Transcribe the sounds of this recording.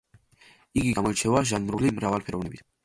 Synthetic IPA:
iɡiɡamɔit͡ʃʰɛvaʒanɾulimɾavalpʰɛɾɔvnɛbit̪ʰ

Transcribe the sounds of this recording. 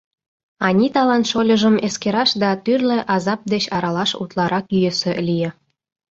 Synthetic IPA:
ɑnʲit̪ɑlɑnt̪ʃolʲəʒəmeskeɾɑʃd̪ɑt̪yrleʔɑzɑp̚d̪et͡ɕɑɾɑlɑʃṵt̪lɑɾɑkyjesĕlʲije

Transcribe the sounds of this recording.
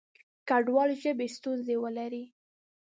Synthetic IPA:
kaɖwɑlʒəbest̪unzewəlaɾi

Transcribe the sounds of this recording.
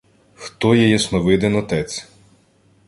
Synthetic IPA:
xt̪ɔjɛjɛsnɔʋɪd̪ɪnɔt̪ɛt͡sʲ

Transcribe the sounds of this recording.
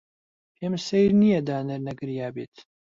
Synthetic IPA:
pʰemsejɾnijɐd̪aːnɐɾnɐɡɨɾjaːbeːt̪ʰ

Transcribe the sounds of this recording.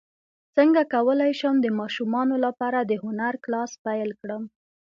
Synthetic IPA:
t͡səŋɡakawəlajʃəmd̪əmɑʃumɑnolapɑɾad̪əhʊnaɾklɑspajlkɽəm

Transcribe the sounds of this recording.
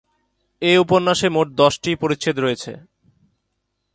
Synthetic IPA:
eupoɾnaʃemoʈ̚d̪ɔʃʈipoɾit͡ɕt͡ɕʰit̪ɾojet͡ɕʰḛ

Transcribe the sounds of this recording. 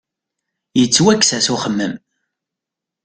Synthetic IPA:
jət͡sːwækːsæsuχəmːəm

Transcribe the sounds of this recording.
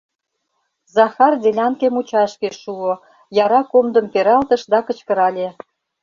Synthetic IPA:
zɑxɑrd̪elʲɑnkemut͡ɕɑʃkeʃuo | jɑɾɑkomd̪ə̆mpeɾɑlt̪ə̆ʃd̪ɑkə̆t͡ɕkə̆ɾɑlʲe

